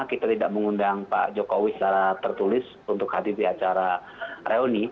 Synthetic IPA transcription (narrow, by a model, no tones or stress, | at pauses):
kit̪at̪idaʔ̚məŋundaŋpa̰ʔd͡ʒokowist͡ʃaɾat̪ərt̪ulɪs | unt̪ʊkhadidiat͡ʃaɾa | rʔeoni